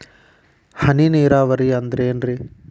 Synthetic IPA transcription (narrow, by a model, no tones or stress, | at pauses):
hɐniniːɾaːʋɐɾiɐnd̪ɾeːnɾi